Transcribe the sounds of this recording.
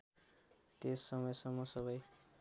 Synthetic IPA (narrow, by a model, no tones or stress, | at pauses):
t̪esːʌmʌjsʌŋmːʌsʌβʌj